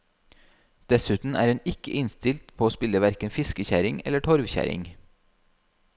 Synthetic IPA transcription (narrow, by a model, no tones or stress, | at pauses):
d̪̥ɛsʉːt̪n̩æ̰ːɾhɛnɪkə̰ʔɪnst̪ɪlt̪pʰoːoːspɪləʋæɾkənfɪskəçæɾɪŋɛ̰ləʈʰɔɾʋçæ̰ɾɪ̰ŋ